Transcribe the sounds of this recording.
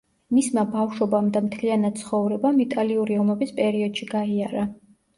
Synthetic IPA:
mismabafʃɔbamd̪amt̪ʰlianat̪̚t̪sʰχɔvɾɛbamit̪ʼaliuɾiɔmɛbispʼɛɾiɔd̪ʃiɡaiaɾa

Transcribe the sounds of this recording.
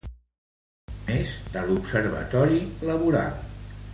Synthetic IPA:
ezd̪əlupsəɾβə̰t̪ɔɾiləβuɾa̰lˠ

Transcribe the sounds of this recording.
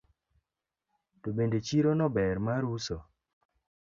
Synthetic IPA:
tobendet͡ʃiɾonɔbɛɾmaɾusɔ

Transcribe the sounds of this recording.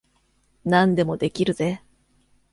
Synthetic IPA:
nãnd̪e̞mo̞d̪e̞kʲiɾɯ̟ze

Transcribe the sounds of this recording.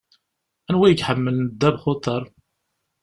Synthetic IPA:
ænwæjəkħəmːəlnəd̪ːæbχot̪ˤəɾˤ

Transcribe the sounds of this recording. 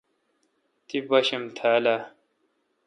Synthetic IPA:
t̪ibɐɕemt̪ʰaːla

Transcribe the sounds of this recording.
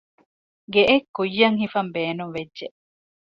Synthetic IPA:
ɡeʔekːujːɐŋɦifɐmbeːnuŋʋedːʒeʔ

